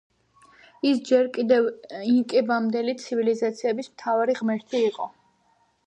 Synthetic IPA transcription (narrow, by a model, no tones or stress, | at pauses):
isd͡ʒɛɾkʼid̪ɛviŋkʼɛbamd̪ɛlit̪sʰivilizat̪sʰiɛbismt̪ʰavaɾiʁmɛɾt̪ʰiːqʼɔ